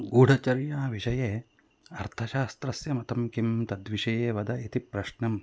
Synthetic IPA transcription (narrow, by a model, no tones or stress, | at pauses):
ɡuːɽɐt͡ʃɐɾjaːʋiʃɐjeː | ɐɾt̪ʰɐʃaːst̪ɾɐsjɐmɐt̪ɐmkimt̪ɐd̪ʋiʃɐjeːʋɐd̪ɐit̪ipɾɐʃɳɐm